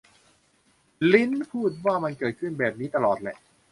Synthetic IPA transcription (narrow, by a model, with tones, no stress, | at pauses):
li˦˥npʰuː˥˩t̪̚waː˥˩ma˧nkɤː˨˩t̪̚kʰɯ˥˩nbɛː˨˩p̚niː˦˥t̪a˧lɔː˨˩t̪̚lɛ̰˨ʔ